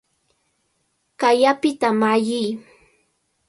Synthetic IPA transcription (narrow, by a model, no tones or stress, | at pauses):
kajapɪt̪amajɪj